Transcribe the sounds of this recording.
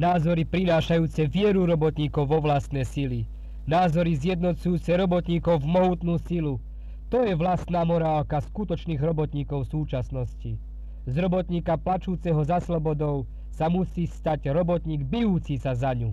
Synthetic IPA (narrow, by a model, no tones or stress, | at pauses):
naːzɔɾipɾinaːʃajuːt͡sɛʋɪɛɾuɾɔbɔt̪ɲiːkɔʊʋɔʋlast̪nɛjsili | naːzɔɾizɪjɛd̪nɔt͡sujuːt͡sɛɾɔbɔt̪ɲiːkɔʊvmɔɦuːt̪nuːsilu | t̪ɔjɛʋlast̪naːmɔɾaːlkaskut̪ɔt͡ʃniːɣɾɔbɔt̪ɲiːkɔʊsuːt͡ʃasnɔsci | zɾɔbɔt̪ɲiːkaplat͡ʃuːt͡sɛɦɔzaslɔbɔd̪ɔʊ | samusiːst̪aɟɾɔbɔt̪ɲiːɡbijuːt͡sisazaɲu